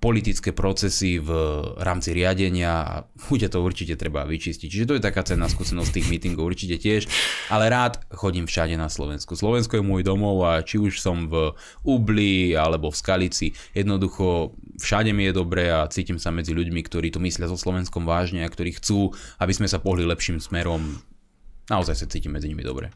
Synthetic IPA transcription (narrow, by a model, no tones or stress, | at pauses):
pɔlit̪it͡skɛːpɾɔt͡sɛsivɾaːmt͡siɾɪaɟɛɲɪaa̰ | xucat̪ɔuɾt͡ʃicɛt̪ɾɛba̰ʋit͡ʃiscic̚t͡ʃiʒɛt̪ɔjɛt̪akaːt͡sɛnːaskuːsɛnɔst̪t̪iːɣmiːt̪iŋɡɔʊuɾt͡ʃicɛcɪɛʃʔalɛɾaːt̪xɔɟimfʃaɟɛnaslɔ̰ʋɛnskuslɔʋɛnskɔjɛmʊɔjd̪ɔmɔʊat͡ʃiuʃsɔmv | ublialɛbɔfskalit͡sijɛd̪nɔd̪uxɔ | fʃaɟɛmijɛd̪ɔbɾɛat͡siːcimsamɛd͡ziʎuɟmikt̪ɔɾiːt̪ɔmislɪazɔslɔʋɛnskɔmʋaːʒɲɛakt̪ɔɾiːxt͡suːabizmɛsapɔɦlilɛpʃiːmsmɛɾɔm | naɔzajsat͡siːcimːɛd͡ziɲimḭd̪ɔ̰bɾɛ̰